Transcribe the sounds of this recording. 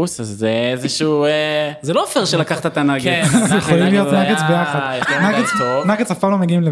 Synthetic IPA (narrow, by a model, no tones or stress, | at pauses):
usazːeezeʃuzelofeʁʃelakaχt̪at̪anaɡjeχolimlijot̪naɡet͡sbejaχad̪ʃnaɡet͡st̪ovnaɡet͡safpalomeɡiimle